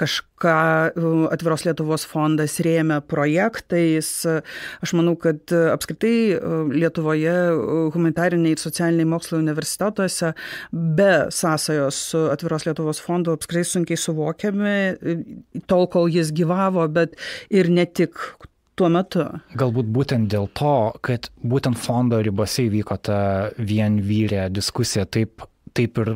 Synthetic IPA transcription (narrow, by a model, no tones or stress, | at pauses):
kɐʃkɑːɐ̰t̪ʲʋʲɪɾoːslʲiɛt̪ʊʋoːsfond̪ɐsɾʲeːmʲɛpɾoːjæːkt̪ɐɪsɐʃmɐnɐʊkɐt̪ɐpskɾʲɪt̪ɐɪlʲiɛt̪ʊʋoːjɛɣʊmɐnʲɪt̪ɑːɾʲɪnʲɛɪɪɾsoːt͡s̪ʲɪæːlʲɪnʲɛɪmoːkslˠoʊnʲɪʋʲɛɾʲsʲɪ̥t̪ʲæːt̪uɔsʲɛbʲɛsɑːsɐjoːssʊɐt̪ʲʋʲɪɾoːslʲiɛt̪ʊʋoːsfoːnd̪ʊɐpskɾɪt̪ɐɪsʊŋʲkʲɛɪsʊʋoːkʲɛmʲɪ | t̪oːlˠkoːlˠjɪs̬ɡʲiːʋɑːʋoːbʲɛt̪ɪɾnʲɛt̪ʲɪk | t̪uɔmʲɛt̪ʊɡɐlˠbuːt̪̚buːt̪ʲɛnt̪̚d̪ʲeːlˠt̪ʰoːkɐt̪buːt̪ʲɛnt̪foːnd̪oːɾʲɪboːsʲɛiːʋʲiːkoːt̪ɐʋʲiɛnʋʲiːɾʲed̪ʲɪskʊsʲɪjɛt̪ɐɪp | t̪ɐɪpɪɾ